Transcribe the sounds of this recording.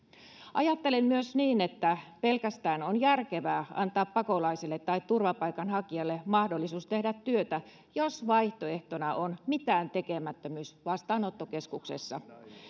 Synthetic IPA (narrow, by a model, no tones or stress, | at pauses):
ʔɑjɑt̪ːelemmyøsniːnet̪ːæpelkæst̪æːnonjærkeʋæːɑ̰nt̪ɑːppɑkolɑiselːet̪ːɑit̪t̪urʋɑpɑikɑnhɑkiɑlːemɑhdolːisuːst̪ehdæt̪tyøt̪æ | josʋɑiht̪oeht̪onɑʔonmit̪æːnt̪ekemæt̪ːømyːsʋɑst̪ɑːnot̪ːokeskuksḛsːɑ